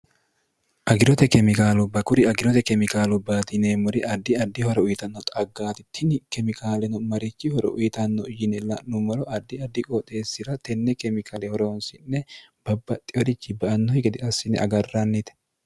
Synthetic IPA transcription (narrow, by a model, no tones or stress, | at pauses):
ʔɐɡɪɾɔt̪ɛkɛmɪkaːlʊbɐkʊɾɪɐɡɪɾɔt̪ɛkɛmɪkaːlʊbaːt̪ɪneːmʊɾɪʔɐd̪ːɪɐd̪ːɪhɔɾɛʊjɪt̪ɐnːɔt̪ʼɐɡːaːt̪ɪt̪ʰːɪnɪkɛmɪkʰaːlɛnʊmɐɾɪt͡ʃːɪhɔɾɛ̰ʔʊ̰jɪt̪ɐnːɔʊjɪnɛlɐʔnʊmɐɾɔʔɐd̪ːɪɐd̪ːɪkʼot̪ʼe̞ːsːɪɾɐt̪ɛnːɛkɛmɪkʰaːlɛhɔɾoːnsɪnːɛ | b̥ɐbːɐt̪ʼːɪɔɾɪt͡ʃːɪbɐʔɐnːɔhɪɡɛd̪ɪɐsːɪnɛ̰ɐ̰ɡɐrːɐnːɪt̪ɛ̥